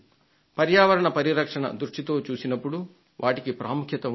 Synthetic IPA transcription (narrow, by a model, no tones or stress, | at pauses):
pɐɾjaːʋɐɾɐɳɐpɐɾiɾɐkʂɐɳɐ̰d̪ɾuʂʈit̪o̞ːt͡ʃuːsinɐpːuɽu | ʋʔaːʈikipɾaːmukʰjɐt̪ɐ